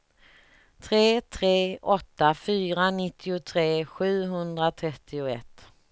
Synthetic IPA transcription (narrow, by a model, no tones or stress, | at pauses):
t̪ʰɾeːt̪ʰɾeːʔɔt̪ːafyːɾanɪt̪ːɪʊt̪ʰɾeːɧʉ̟ːɦɵnd̪ɾat̪ʰɾɛt̪ʰːɪʊɛ̰t̪ː